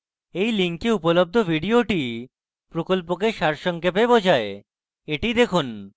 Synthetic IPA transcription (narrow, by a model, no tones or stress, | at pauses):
ejliŋkeupolob̚d̪ʱobʱiɖioʈi | pɾokolp̬ok̬eʃaɾʃɔŋkepebod͡ʑʱae | eʈid̪ekʰun